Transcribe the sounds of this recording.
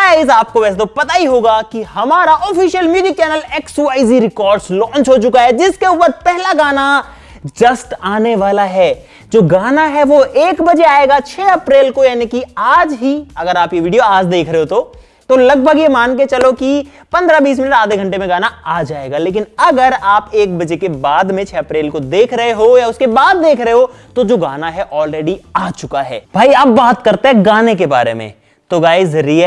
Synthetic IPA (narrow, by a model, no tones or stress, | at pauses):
aɪzaːp̚koʋɛːs̬et̪opɐt̪aɦiɦoːɡakihɐmaːɾaʔɔːfiːʃjəlmjuːzɪk̚t͡ʃɛːnəleːksuaːɪziɾɪkɔːɾɖslɔ̃ːnt͡ʃɦot͡ʃʊkaɦɛd͡ʒɪskeʊːpəɾpɛɦlaɡaːna | d͡ʒɐsʈaːneʋaːlaɦɛː | d͡ʒoːɡaːnaɦɛʋoʔeːkbɐd͡ʒeaːeːɡat͡ʃʰeːɐpɾeːlkojaːnikiaːd͡ʒɦiɐɡəɾaːpjeʋiːɖijoaːd͡ʒd̪eːkʰɾeɦeɦot̪o | t̪olɐɡ̚bʱəɡjemaːnk̬et͡ʃɐloki | pɐ̃nd̪ɾabiːs̬mɪnəʈaːd̪ʱeɡʱɐ̃ɳʈemẽɡaːnaaːd͡ʒaːeːɡaleːk̬ɪnɐɡəɾaːpeːk̚bɐd͡ʒekebaːd̪mẽt͡ʃʰɛːɐpɾeːlkod̪eːkʰɾɐɦeɦojaʊskebaːd̪̚ːeːkʰɾɐɦeɦot̪od͡ʒoːɡaːnaɦɛʔɔːlɾeːɖiaːt͡ʃʊkaɦɛ̰ːbʱaːiɐbːaːt̪kɐɾt̪ẽɦɛ̃ɡaːnekeba̰ːɾḛmḛ̃ː | t̪oɡaːezɐɾie